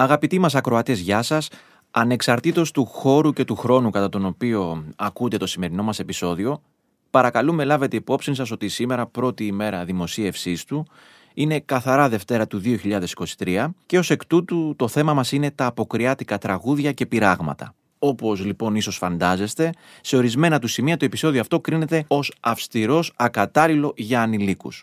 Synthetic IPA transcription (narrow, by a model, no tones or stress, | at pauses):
ɐɣɐpit̪imɐsɐkɾo̞ɐt̪ezʝɐsɐs | ɐne̞ksɐɾt̪it̪o̞st̪uxo̞ɾuce̞t̪uxɾo̞nukɐt̪ɐt̪o̞no̞pio̞ɐkund̪e̞t̪o̞sime̞ɾino̞mɐse̞piso̞ðio̞ | pɐɾɐkɐlume̞lɐve̞t̪eipo̞psinsɐso̞t̪isime̞ɾɐpɾo̞t̪iːme̞ɾɐðimo̞sie̞fsist̪u | ine̞kɐθɐɾɐðe̞ft̪e̞ɾɐt̪uðio̞çiʎɐðe̞si̥ko̞si̥t̪ɾiɐce̞o̞se̞kt̪ut̪ut̪o̞θe̞mɐmɐsine̞t̪ɐːpo̞kɾiɐt̪ikɐt̪ɾɐɣuðʝɐce̞piɾɐɣmɐ̰t̪ɐ̰ | o̞po̞zlipo̞niso̞sfɐnd̪ɐze̞st̪e̞ | se̞o̞ɾizme̞nɐt̪usimiɐt̪ue̞pi̥so̞ðioɐft̪okɾine̞t̪e̞o̞sɐfst̪iɾo̞sɐkɐt̪ɐlilo̞ʝɐːnilikṵs